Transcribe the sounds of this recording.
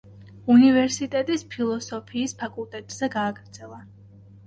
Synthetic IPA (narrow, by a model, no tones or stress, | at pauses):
univɛɾsit̪ʼɛt̪ʼispʰilˠɔsɔpʰiːspʰakʼulˠt̪ʼɛt̪ʼz̥ɛɡaːɡɾd̪zɛlˠa